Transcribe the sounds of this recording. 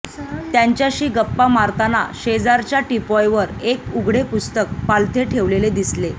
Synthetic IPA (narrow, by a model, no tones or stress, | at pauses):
t̪jaɲt͡ɕjaɕiːɡəpːamaɾt̪ana̰ɕed͡zaɾt͡ɕjaʈipɔjʋəɾekuɡʱɽepust̪ək̚palt̪ʰeʈʰeʋleled̪isle